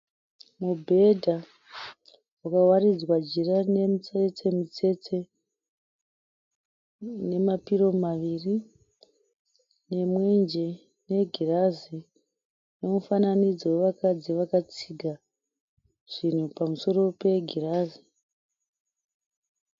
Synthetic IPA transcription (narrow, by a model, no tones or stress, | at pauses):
mubʱe̞dʱa | wakawarid͡zwad͡ʒirane̞mut͡set͡sʰe̞mut͡se̞t͡se̞ | ne̞mapiɾo̞maʋiri | ne̞mwend͡ʒe | ne̞ɡʱirazi | ne̞mufananid͡zowe̞ʋakad͡ziʋakat͡siɡʱa | ʐ̥in̤upamuso̞ɾo̞pe̞ɡʱiraːzi